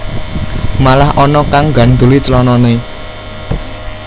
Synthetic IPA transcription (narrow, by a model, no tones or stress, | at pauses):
malahɔnɔkaŋɡa̤nd̪ulit͡ʃlɔnɔne